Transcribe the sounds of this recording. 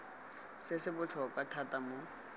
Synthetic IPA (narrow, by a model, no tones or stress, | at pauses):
sɪsɪbʊt͡ɬʰɔkʼwatʰatʼamʊ